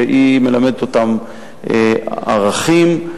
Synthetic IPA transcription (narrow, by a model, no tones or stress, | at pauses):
eʔime̞lamed̪et̪ot̪am | ʔaʁaχim